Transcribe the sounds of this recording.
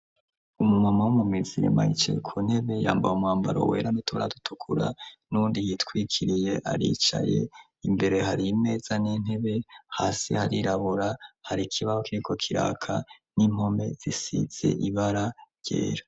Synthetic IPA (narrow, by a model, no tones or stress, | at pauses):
umumamawumumiziɾḛmait͡ʃḛkʰun̥he̞βe̞jaːmbajumwaːmbaɾo̰we̞ːɾanutuβaɾa̰dutʰukʰuɾa̰nuːndijitkwikʰiɾije̞ʔaɾḭt͡ʃa̰je̞̰ | imbe̞ɾe̞ɦaɾime̞ːz̥anin̥he̞βe̞haːsḭhaɾiɾaβuɾahaɾikʰiβahokiɾikʰo̞kʰiɾa̰ːkʰanim̥ho̞me̞z̥isḭz̥e̞̰ʔiβaɾa | j̥e̞̰ːɾa